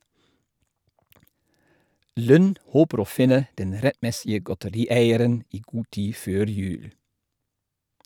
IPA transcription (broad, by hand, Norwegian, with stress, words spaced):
ˈlʉn ˈhoːpəɾ ˈoː ˈfɪnə ˈdɛn ˈɾɛtˌmɛsɪə ɡɔtəˈɾiːˌæɪəɾən ˈiː ˈɡuː ˈtiː ˈføːɾ ˈjʉːl